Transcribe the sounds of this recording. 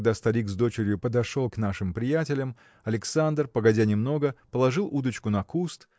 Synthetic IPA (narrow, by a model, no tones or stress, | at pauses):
ɡd̪ast̪ɐɾʲikzd̪o̞t͡ɕɪɾʲjʊpəd̪ɐʂo̞lˠkn̪aʂɨmpɾʲɪjætʲɪlʲəm | ɐlʲɪksand̪rpəɡɐdʲænʲɪmno̞ɡəpəlˠɐʐɨlˠud̪ət͡ɕkʊnɐkust̪